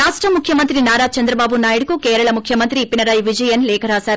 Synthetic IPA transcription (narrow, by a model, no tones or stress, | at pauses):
ɾaːʂʈɾɐmukʰjɐmɐnt̪ɾinaːɾaːt͡ʃɐnd̪ɾɐbaːbunaːjiɽkukeːɾɐɭɐmukʰjɐmɐnt̪ɾiːpːinɐɾajʋid͡ʒɐjɐnleːkʰɐɾaːsɐɾ